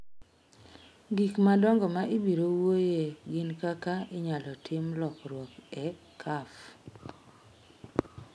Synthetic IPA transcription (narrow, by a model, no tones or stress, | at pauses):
ɡikmadɔŋɡɔmaʔɪbiɾowojeɡɪnkakaɪɲalɔtʰɪmlɔkɾwɔkɛ | kʰaf